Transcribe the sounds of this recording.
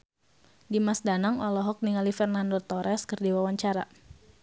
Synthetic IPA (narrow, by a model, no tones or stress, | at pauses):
dimasdanaŋɔlɔɦɔk̚niŋalifɛrnandot̪ɔɾɛskɨrdiwawaɲt͡ʃaɾa